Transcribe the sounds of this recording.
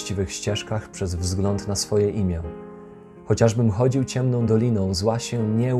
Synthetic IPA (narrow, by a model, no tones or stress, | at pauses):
t͡ɕivɘxɕt͡ɕɛʂkaxpʂɛzvzɡlɔnt̪nasfɔjɛʔimʲjɛ | xɔt͡ɕaʐbɘmxɔd͡ʑiwt͡ɕɛmnɔ̃w̃d̪ɔlʲinɔ̃w̃zwaɕɛɲɛ